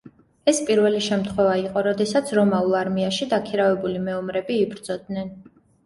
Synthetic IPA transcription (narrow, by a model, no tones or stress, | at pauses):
ɛspʼiɾvɛliʃɛmt̪ʰχwɛvaiqʼɔɾɔd̪ɛsat̪sʰɾɔmaulˠaɾmiaʃid̪akʰiɾavɛbulimɛɔmɾɛbiːbɾd̪z̥ɔd̪̚nɛn